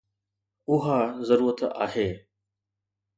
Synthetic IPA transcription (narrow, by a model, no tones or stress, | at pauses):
ʊɦaːzəɾuːɾət̪ʰa̰ːɦeː